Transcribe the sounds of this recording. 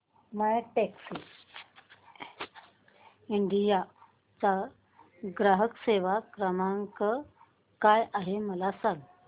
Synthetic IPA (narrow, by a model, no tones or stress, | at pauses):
majʈeksi | iɳɖija | t͡sa | ɡɾaɦəkseʋakɾəmaŋkə | kajʔaɦeməlasãŋɡ